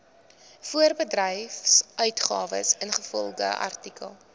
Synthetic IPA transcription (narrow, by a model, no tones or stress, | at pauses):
fuərbədrɛjfsœɥtχɑːvə̰sənχəfɔlˠχə̰ʔɐ̰rtikə̰lˠ